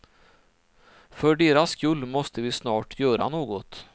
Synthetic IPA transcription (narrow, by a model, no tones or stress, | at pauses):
fœɖeːɾaskɵlːmɔst̪əvɪsnɑːʈʰjœːɾa̰noːɡɔt̪